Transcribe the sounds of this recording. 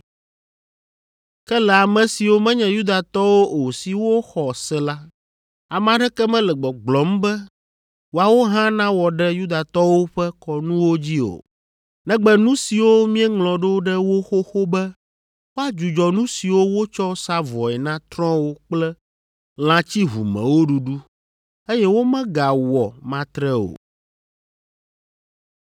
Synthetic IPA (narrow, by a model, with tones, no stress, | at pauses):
kɛ˦lɛ˨a˨mɛ̃˨si˨wo˦mɛ̃˦ɲɛ̃˨ju˦d̪a˨t̪ɔ˦wo˦o˨si˨wo˦xɔ˨sɛ˦la˦ | a˨m̃˨ã˨ɖɛ˦kɛ˦mɛ̃˦lɛ˨ɡ͡bɛ˨ɡ͡blɔ˨˦mbɛ˦ | wo˨a˨wo˦ɦã˦nã˦wɔ˨ɖɛ˦ju˦d̪a˨t̪ɔ˦wo˦ɸɛ˦kɔ˨nũ˦wo˦d͡ʑi˦o̰˨ | nɛ̃˦ɡ͡bɛ˨nũ˦si˨wo˦mĩ˦ɛ˦ŋlɔ̃˨ɖo˦ɖɛ˦wo˦xo˦xo˦bɛ˦ | wo˦a˦d͡ʒu˨d͡ʒɔ˨nũ˦si˨wo˦wo˦t͡ʃɔ˦sa˦vɔ˨ɛ˨nã˦t̪ɾɔ̃˦wo˦k͡plɛ˦ | l̃ã˨t͡ɕi˦ɦṵ˨mɛ̰̃˨wo˦ɖu˨ɖu˦ | e˦jɛ˦wo˦mɛ̃˦ɡa˨wɔ˨mã˦t̪ɾɛ˦o̰˨